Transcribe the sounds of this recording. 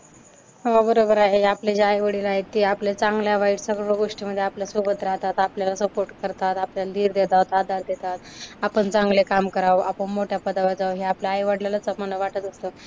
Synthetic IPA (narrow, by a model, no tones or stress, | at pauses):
ɦabəɾobəɾaɦeapled͡ʑaajʋəɽilaaɦet̪ːiːaplet͡sãŋɡljaʋaiʈsəɡɭɭoɡoʂʈiməd̪ʱːjeapljasobət̪ɾaɦt̪at̪apljalasəpoɾʈkəɾt̪at̪apljalad̪ʱiːɾd̪et̪at̪ad̪ʱaɾd̪et̪at̪̚apəɳt͡sãŋɡlekamkəɾawapəɳmoʈʰjapəd̪aʋad͡zawɦeapljaːjʋaɽljalat͡səmənəʋaʈət̪əst̪o